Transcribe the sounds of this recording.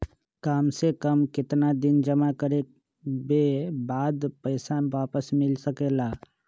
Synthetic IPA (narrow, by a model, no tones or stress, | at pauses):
kaːmsekəmkɪt̪nad̪ɪnd͡ʒəmakəɾe | bebaːd̪pəɪsaʋaːpəsmɪlsəkeːlaː